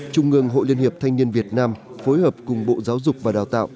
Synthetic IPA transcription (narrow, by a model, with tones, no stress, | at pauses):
t͡ɕʊ˧ŋ͡mʔɨ˧˩əŋɦo̰˧˨li˧ənhi˨˩əp̚t̪ʰa˧ŋ̟ni˧ənvi˨˩ət̚naː˧m | fo˨˦jhəː˨˩p̚kʊ˨˩ŋ͡mɓo̰˧˨zaː˨˦wzʊ˨˩k͡p̚vaː˨˩ɗaː˨˩wt̪a̰ː˧˨ʔ